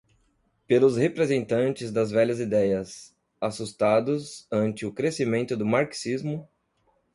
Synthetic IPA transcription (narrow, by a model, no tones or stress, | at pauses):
pelʊzhepɾezẽnt̪ɐ̃nt͡ʃɪzd̪ɐzvɛʎɐzid̪ɛjɐs | asust̪ad̪ʊzɐ̃nt͡ʃɪʊkɾesimẽnt̪ʊd̪ʊmaɾksizmʊ